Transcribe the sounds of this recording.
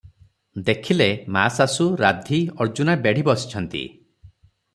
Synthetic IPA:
d̪ekʰilemasasuɾad̪ʱiɔɾd͡ʒunabeɽ̤ibɔsi̥t͡ʃʰɔnt̪ḭ

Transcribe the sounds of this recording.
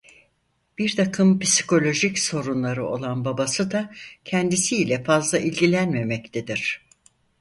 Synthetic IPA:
b̥iɾt̪ʰakʰɯmpi̥si̥kʰo̞lʲo̞ʒicso̞ɾunlˠaɾɯo̞̰lˠanbabasɯd̪acʰɛnd̪isiːlʲɛfazlˠaʔilʲɟilʲænme̞mɛct̪ʰed̪iɾ̝̥

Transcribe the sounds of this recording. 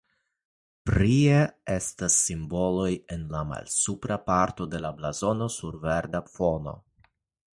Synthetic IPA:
pɾieestasːimbo̞lo̞je̞nlama̰lsupɾapaɾto̞de̞lablazo̞no̞suɾve̞ɾdafo̞no̞̰

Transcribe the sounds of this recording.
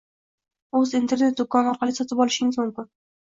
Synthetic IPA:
ɵzint̪ʰe̞ɾne̞t̪̚d̪ʊkʰːɒnɒɾqʰɑlˠɪsɒt̪ʰɪpɒlˠɪʃɪŋɪzmʊmkʲɪn

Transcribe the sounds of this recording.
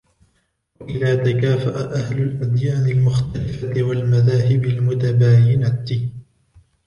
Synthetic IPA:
waʔɪðaːt̪akaːfaʔaʔahlʊlʔad̪jaːnɪlmʊxt̪alɪfat̪ɪwalmaðaːɦɪbɪlmʊt̪abaːjɪnat̪

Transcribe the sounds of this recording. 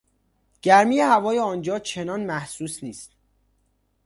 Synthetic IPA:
ɟ̥æɾmiːjehævɒːjeɒːnd͡ʒɒːt͡ʃʰe̞nɒːnmæhsuːsniːst̪̚

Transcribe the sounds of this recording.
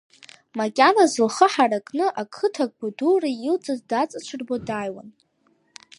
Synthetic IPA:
makʲʼanazɨlχəħarakʼnɨʔakʰɨtʰakʼbudurailt͡sʼazdat͡sʼat͡ʃʷʰɨrbodajwa̰n

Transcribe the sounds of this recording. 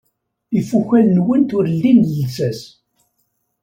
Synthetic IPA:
əfːuçælnwənt̪ʊɾlːinlsæs

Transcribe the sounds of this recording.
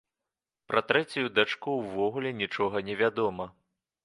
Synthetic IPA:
pɾɐt̪ɾɛt͡sʲujud̪at͡ʂkuwvɔɣulʲɛnʲit͡ʂɔɣɐnʲɛvʲad̪ɔmɐ

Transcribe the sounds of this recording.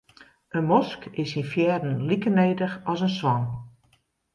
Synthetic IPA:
ʔənmɔskɪsinfjɛːdn̩likənejdəxɔsənswɑn

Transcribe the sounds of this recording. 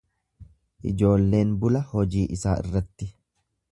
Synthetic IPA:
ʔɪ̰d͡ʒo̞ːlːe̞ːnbʊlɐhɔd͡ʒiːʔɪsaːɪ̰rːɐt̪ːɪ

